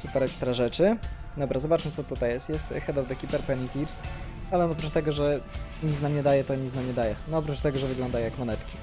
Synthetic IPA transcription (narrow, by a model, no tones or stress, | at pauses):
supɛɾɛkst̪ɾaʐɛt͡ʂɘd̪ɔbɾazɔbat͡ʂmɘt̪sɔt̪ut̪ajɛst̪jɛst̪xɛd̪ɔvd̪ɛkʲipɛɾpɛnit̪iɾsalɛnɔpɾut͡ʃt̪ɛɡɔʐɛ | ɲit̪snamɲɛd̪ajɛt̪ɔɲit̪namɲɛd̪ajɛnɔɔpɾut͡ʂt̪ɛɡɔʐɛvɘɡlɔ̃nd̪ajjakmɔnɛt̪kʲi̥